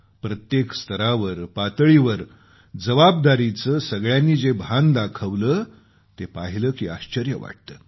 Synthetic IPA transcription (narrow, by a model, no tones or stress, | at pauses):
pɾət̪jekst̪ʰəɾaʋəɾpat̪əɭiʋəɾ | d͡zəʋabd̪aɾit͡səːsəɡɭjanːiːd͡zebʱand̪akʰəʋləː | t̪epaɦiləːkiːaɕt͡ɕəɾjəʋa̰ʈ̚t̪əː